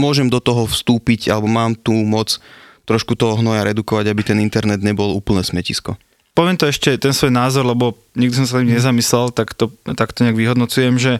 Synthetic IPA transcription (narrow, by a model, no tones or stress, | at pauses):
mʊɔʒɛmd̪ɔt̪ɔɦɔfst̪uːpiɟalɛbɔmaːmt̪uːmɔt͡st̪ɾɔʃkut̪ɔɦɔɦnɔjaɾɛd̪ukɔʋaɟabit̪ɛnint̪ɛɾnɛd̪ɲɛbɔluːpl̩nɛːsmɛcḭskɔ | pɔʋɪɛmt̪ɔɛʃcɛt̪ɛnsʋɔjnaːzɔɾlɛbɔ | ɲiɡd̪is̬ɔmsat̪imɲɛzamislɛlt̪akt̪ɔt̪akt̪ɔɲɛaɡʋiɦɔd̪nɔt͡sujɛmʒɛ